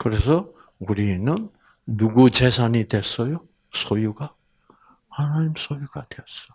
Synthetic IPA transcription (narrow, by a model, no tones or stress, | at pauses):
kɯɾe̞sʰʌ | uɾinɯnː | uɡut͡ɕe̞sʰaɲitwe̞s͈ʌjo | sʰojuɡa | hanaɲimsʰojuɡadt̪ejʌs͈ʌ̥